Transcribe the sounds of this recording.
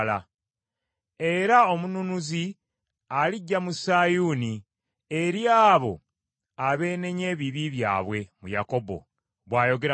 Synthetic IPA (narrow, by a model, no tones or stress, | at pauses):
la | e̞ɾaomununuzi | aliɟːamusajuni | e̞ɾjaːβo̞̰ | aβe̞ːne̞ɲe̞ːβiβiβja̰ːβwe̞mujako̞bo̞̰ | βwaːjo̞ɡe̞ɾ